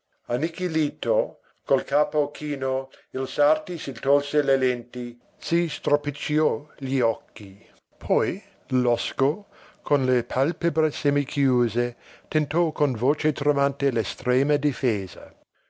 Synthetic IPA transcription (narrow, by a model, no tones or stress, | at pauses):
anikiliːt̪o | kolkʰaːpokʰiːnoilsart̪isilt̪olselelent̪i | sist̪ɾopit͡ʃiɔʎiɔkːi | pʰɔj | lɔsko | kʰonlepʰalpebɾesɛmikʰjuːzet̪ent̪ɔkonvoːt͡ʃet̪ɾemant̪elest̪ɾeːmɐd̪ifeːzɐ̰